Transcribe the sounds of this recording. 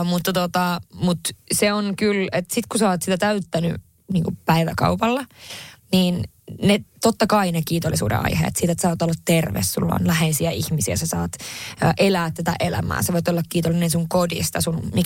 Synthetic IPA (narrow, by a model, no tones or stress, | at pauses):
mut̪ːɑt̪ot̪ɑmut̪seonkylet̪sit̪kusɑːt̪sit̪æt̪æyt̪ːæny̰ | niːŋkupæiʋæ̰kɑ̰upɑlːɑniːn | net̪ot̪ːɑkɑinekiːt̪olːˑisṵːdḛɑ̰ihḛḛt̪siːt̪et̪sɑːt̪olːɑt̪t̪erʋḛssṵlːo̰nlæheisiæihmisiæ̰sɑsɑːt̪ːʔelæːt̪t̪æt̪æ̰ʔelæ̰mæ̰ːseʋoit̪olːɑkkiːt̪olːinensuŋkodḭst̪ɑsunmi